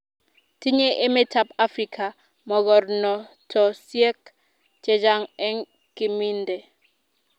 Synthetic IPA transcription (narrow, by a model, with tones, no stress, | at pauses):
ti˦ɲe˦ʔe˦me˦tʰa˦pa˦fɾi˨kʰa˨ | mɔ˨ɣɔ˨ɾnɔ˨ | tʰɔ˨sjɛ˦k | t͡ʃɛ˨d͡ʒa˦ŋɛ˦ŋ | ki˦˨mi˦ndɛ˨